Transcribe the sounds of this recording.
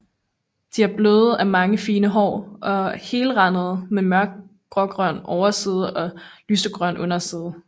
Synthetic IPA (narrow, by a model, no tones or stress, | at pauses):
d̥iæɐb̥løːð̩ˠæmɑ̈ŋəfiːnəɦɒ̰ːʔɒ̽he̝ːləʁɑ̈nəð̞̩ˠmemɶɐɡ̥̚ | ɡ̥ʁɒ̽ɡ̥ʁɶnʔɒʊɐsið̞ˠʔɒ̽lysd̥əɡ̥ʁɶnʔɔ̽n̰ɐsið̞ˠ